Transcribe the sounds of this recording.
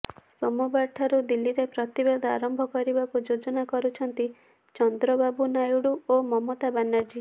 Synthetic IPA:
sɔmubaɾʈʰaɾud̪ilːiɾepɾɔt̪ibed̪ʱɔaɾɔmbʱɔkɔɾibakud͡ʒod͡ʒɔnakɔɾut͡ʃʰɔnt̪i | t͡ʃɔnd̪ɾɔbabunajuɽuomɔmot̪abanːaɾd͡ʒi

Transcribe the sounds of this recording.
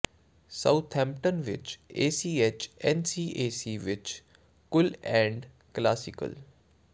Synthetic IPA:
saut̪ʰhɛ̃ːmp̚ʈənʋɪ̰t͡ʃeːsiːet͡ʃɛnsiːʔeːsiːʋɪt͡ʃ | kʊlɛ̃ːɳɖ | klaːsɪkə̰l

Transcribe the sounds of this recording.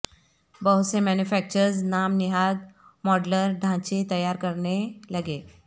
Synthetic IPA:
bəɦusemænjufæk̚t͡ɕəɾd͡znamniɦaɡ̪mɔɖləɾɖʱãt͡ɕet̪əjːaɾkəɾɳelaɡe

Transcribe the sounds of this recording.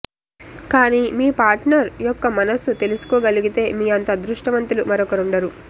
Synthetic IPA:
kaːniːmiːpaːɾʈnɐɾjɔkːɐmɐnɐsut̪e̞lusu̥kɔːɡɐliɡit̪e̞ːmiːɐnt̪aːd̪ɾuʂʈɐʋɐnt̪ilumɐɾɔkɐɾuɳɖɐɾu

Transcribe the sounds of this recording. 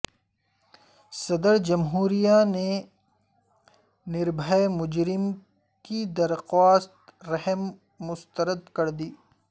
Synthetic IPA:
sɐd̪əɾd͡ʒɐmɦuːɾijane | nɪɾbʱəjmʊd͡ʒɾɪm | kid̪ɐɾxaːst̪ɾɛɦəmː | ʊst̪əɾəd̪kɐɾd̪iː

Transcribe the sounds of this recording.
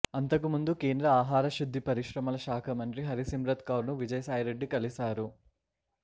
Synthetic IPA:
ɐnt̪ɐkimund̪ukeːnd̪ɾɐaːɦaːɾɐʃud̪ʱːipɐɾiʃɾɐmɐlɐʃaːkʰɐmɐnʈ̪ɾiɦɐɾisimɾɐt̪kɐwɾnuʋid͡ʒɐjɐsaːjɾeɖːikɐlisaːɾu

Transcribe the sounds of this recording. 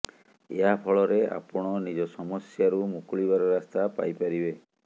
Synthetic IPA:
ḛɦapʰɔɭɔɾea̰pɔɽ̃ɔnid͡ʒɔsɔmɔsjaɾumukuɭibaɾɔɾast̪apa̰jpaɾibe

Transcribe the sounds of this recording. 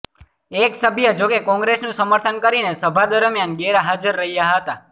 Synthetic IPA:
eksəbʱjəd͡ʒokekɔ̃ŋɡɾesnũsəməɾt̪ʰənkəɾinesəbʱad̪əɾmjanɡeɾaɦad͡ʒəɾːəɦijaɦət̪a

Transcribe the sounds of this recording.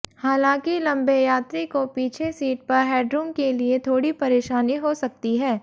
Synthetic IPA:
haːlãːkilɐ̃mbejaːt̪ɾikopiːt͡ʃʰesiːʈ̚pɐɾɦɛːɖɾuːmkeliet̪ʰoːɽipɐɾeːʃaːniɦosɐk̚t̪iɦɛː

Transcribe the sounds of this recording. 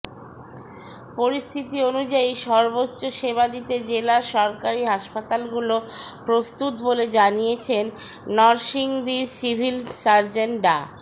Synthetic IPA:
poɾist̪ʰit̪ionud͡ʑaiʃɔɾbotːɕoʃeβad̪it̪ed͡ʑelaɾʃɔɾkaɾiɦaʃpat̪alɡulopɾost̪ut̪boled͡ʑanijet͡ɕʰenːɔɾʃiŋd̪iɾsibʱilsaɾd͡ʑeɳɖa̰

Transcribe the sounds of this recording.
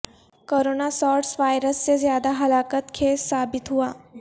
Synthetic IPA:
koɾonasɔɾʈsʋajɾəst͡sezjad̪aɦəlakət̪kʰesːabit̪ɦua

